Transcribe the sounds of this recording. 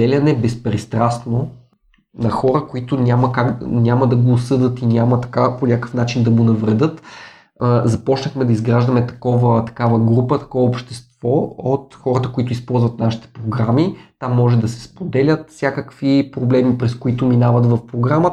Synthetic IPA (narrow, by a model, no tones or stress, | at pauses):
d̪ɛlʲɐnɛbɛspɾɛst̪ɾast̪no | nɐxɔɾəkoit̪ʊnʲamɐkaɡnʲamɐd̪ɐɡoːsɤd̪ət̪inʲamɐt̪ɐ̥kaponʲakə̥fn̪at͡ʃind̪ɐɡonɐvɾɛd̪ɤt̪ | zɐpɔt͡ʃnəxmɛd̪ɐizɡɾaʒd̪ɐmɛt̪ɐ̥kɔvət̪ɐ̥kavəɡɾupət̪ɐ̥kɔvəopʃt̪ɛst̪v̥ɔot̪xɔɾət̪əkoit̪ʊispɔlˠzvɐt̪naʃi̥t̪ɛ̥pɾoɡɾamit̪amːɔʒɛd̪ɐsɛ̥spod̪ɛlʲət̪fsʲjakəkvipɾoblɛmipɾɛskoit̪ʊminavɐt̪vɐfpɾoɡɾamə